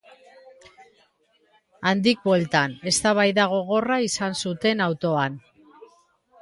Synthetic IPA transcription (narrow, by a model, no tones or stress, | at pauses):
and̪ik̚bwelt̪ane̞st̪aβ̞ajðaɣ̞o̞ɣo̞raisansut̪e̞nawt̪o̞an